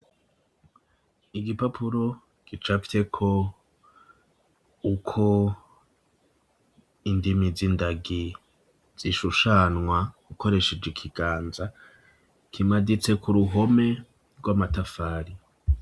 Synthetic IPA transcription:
iɡipapʰuɾo̞ | ɡ̥it͡ʃafi̥te̞kʰo̞ | ukʰo̞ | indimizindaɡi | z̥iʃuʃanŋwaɡuko̞ɾe̞ʃed͡ʒekʰiɡ̥aːnza | kimadit͡se̞kuɾuɦo̞me̞ | ɾɡwamatafaːɾi

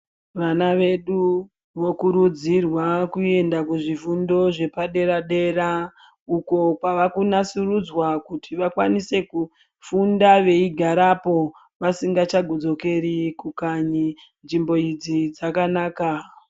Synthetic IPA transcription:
ʋanaʋe̞ɗu | ʋo̞kuɾud͡zirwakue̞ndakuʐifundo̞ʐe̞paɗe̞ɾaɗe̞ɾa | uko̞paʋakunasurud͡zwakutʰiʋakwanise̞ku | fundaʋe̞iɡʱaɾapo̞ | ʋasiŋɡat͡ʃaɡʱod͡zo̞ke̞ɾikukaɲi | nʐimbo̞id͡zid͡zakanaːka

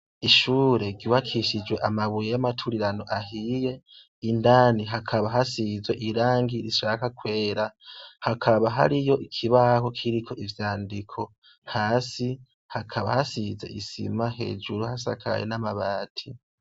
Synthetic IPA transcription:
iʃuːɾe̞ɡiwakʰiʃid͡ʒwe̞ʔamaβujejamatʰuɾiɾano̞ʔaɦije̞ | indaːniɦakʰaβaɦasizweʔiɾaːŋɡiɾiʃaːkakwe̞ːɾahakʰaβaɦa̰ɾijo̞ʔikʰiβaho̞kʰiɾikʰo̞ʔivjaːndikʰo̞ | haːsi | hakʰaβa̰hasize̞̰ʔḭsḭmaɦe̞̰ːd͡ʒuɾuhasa̰kʰa̰jḛnamaβaːtʰi

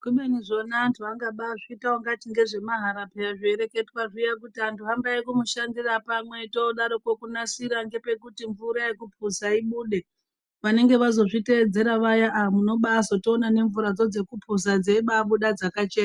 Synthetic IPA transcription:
kuɓeniʐo̞naːntʰuaŋɡaɓaʐiːtaoŋɡat͡ʃiŋɡe̞ʐe̞maɦaɾapeaʐieɾe̞ke̞twaʐijak̬utiantuɦambaekumuʃandirapamwe̞toɗaɾokokunasiɾaŋɡepe̞kutiɱvuɾaje̞kupʰusaiɓuːɗe̞ | ʋane̞ŋɡe̞ʋazo̞ʐite̞ːd͡ze̞ɾaʋajaʔamuno̞ɓasotoːnane̞ɱvuɾad͡zo̞d͡ze̞kupʰusad͡zeiɓaɓuɗad͡zakat͡ʃeːna

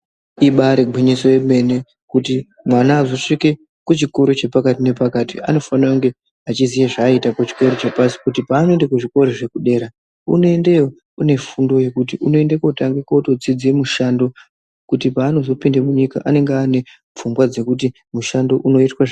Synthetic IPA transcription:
iɓaɾeɡʱwiɲiso̞jeme̞ne̞ | kuti | mwanaːzo̞ʂike | kut͡ʃiko̞ɾot͡ʃe̞pakatine̞pakaːtia̰no̞fanrauŋɡe̞ | at͡ʃizijeʐaitapot͡ʃi̥ke̞ɾot͡ʃepasi̥kutipaːno̞endakuʐiko̞ɾoʐe̞kuɗe̞ɾa | ṵno̞e̞ndejo | une̞fundo̞je̞kut̬iʔuno̞e̞ndekotaŋɡekauto̞d͡zid͡zemuʃando̞ | kutipaːno̞zo̞pindemuɲika̰ʔane̞ŋɡane̞ | p͡fumbwad͡ze̞kuti | muʃando̞ʔuno̞itwa

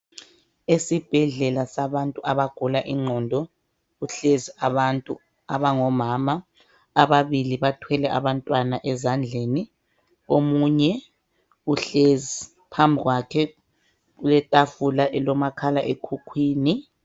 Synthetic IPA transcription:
esib̥ʱɛɮɛlasaβantʼuʔaβaɡ̥ʱulaʔiŋ͡ǃʱɔndʱɔ | uɬeziaβantʼṵ | aβaŋɔmaːmaː | βaβiliβatʰwɛlɛʔa̰βantʼwanaʔɛzand͡ɮʱeni | omuɲɛ | uɬezi | pʰambʱiɣwakʰɛ | ɣulɛtʼafulaʔɛlɔmakʰalaʔekʰukʰwiːni

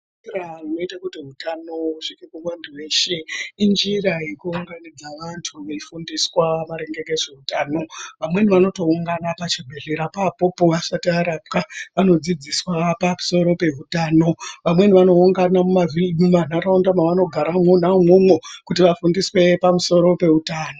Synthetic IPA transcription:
rano̞itakutiɦutano̞uʂikekumwandiwe̞ːʃeind͡ʒirajekuuŋɡanid͡zaʋantʰuʋeifundiswamaɾe̞ŋɡe̞ɡeʐe̞utaːno̞ʋamwe̞niʋano̞to̞uŋɡanapat͡ʃibʱe̞ɮeɾapapo̞poʋasatiaɾap̚kaʋano̞d͡zid͡ziswapamu̥so̞ɾope̞ɦutaːno̞ʋamwe̞niʋano̞uŋɡanamumavimuman̤aɾaundamaʋano̞ɡʱaɾamon̤aumomwokutiʋafundiswe̞pamuso̞ɾo̞pe̞utaːno

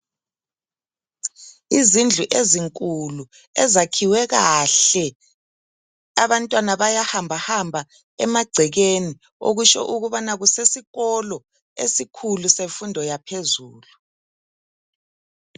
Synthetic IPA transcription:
izind͡ɮʱuʔeziŋkʼulu | ɛ̰zakʰiwɛɣaɬɛ | aβantʼwanaβajahambʱahambʱa | ɛ̰maɡ͡ǀʱɛɣeni | o̰ɣuʃɔ̰ʔuɣuβanaɣusesiɣɔlɔ | ḛsikʰuluseɱfundʱɔjapʰezuːlu

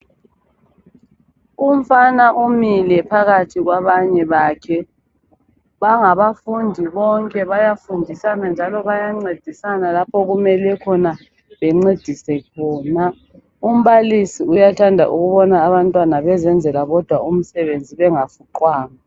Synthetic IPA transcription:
um̩fanaʔumilɛpʰaɣatʰiɣwaβaɲɛβaːkʰɛ | βaŋaβafundʱiβɔŋkʼɛβajafundʱisanand͡ʒʱalɔβajaŋ͡ǀed̥ʱisanalapʰɔɣumɛlɛkʰɔna | βɛŋ͡ǀed̥ʱisɛkʰɔːna | um̩βalisiujatʰandʱa̰ʔuɣuβɔnaːβantʼwanaβɛzɛnd͡zʱɛlaɣɔd̥ʱwaum̩sɛβend͡zʱiβɛŋafuǃwaːŋa

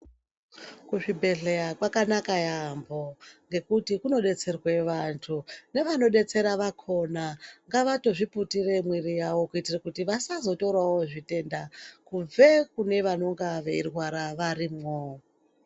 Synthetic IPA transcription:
kuʐibʱe̞ɮejakwakanakajambo̞ŋɡe̞kutikuno̞ɗe̞t͡se̞rwe̞ʋantʰune̞ʋano̞ɗe̞t͡se̞ɾaʋakʰo̞naŋɡaʋato̞ʐiputire̞mwirijawo̞kuitirakutiʋasazo̞toɾawoʐite̞ndakub͡ve̞kune̞ʋano̞ŋɡaʋe̞irwaɾaʋarimŋo

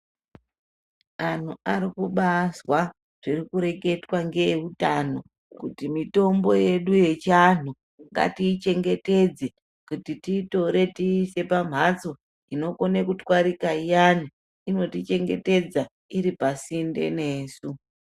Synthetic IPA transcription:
an̤uaɾikuɓaswa | ʐ̥irikuɾe̞ke̞twaŋɡeutano̞ | kutimito̞mbo̞je̞ɗuje̞t͡ʃan̤u | ŋɡa̰tiːt͡ʃe̞ŋɡe̞te̞d͡ze | kutitito̞ɾe̞tiːse̞pam̤at͡so̞ | ino̞ko̞nekutwaɾikaijani | ino̞tit͡ʃe̞ŋɡe̞̰te̞d͡za | iɾipasinde̞̰ne̞ːsu

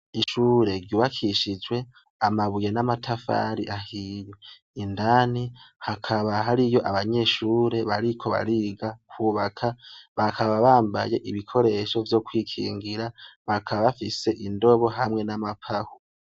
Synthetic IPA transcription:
iʃuːɾe̞ɾɟuːβakʰiʃid͡ʒwe̞ | amaβuje̞namatʰafa̰ɾiʔahijo | indaːnihakʰaβaɦaɾijo̞ʔaβaɲe̞ːʃuːɾe̞βaɾikʰo̞βa̰ɾiːɡakʰuːβakʰaβakʰaβaβaːmba̰je̞ʔiβikʰo̞ɾe̞ʃo̞vjo̞kwiːkʰḭːŋɡiɾaβakʰaβaβafise̞ʔindo̞βo̞ɦamŋe̞namapʰahu

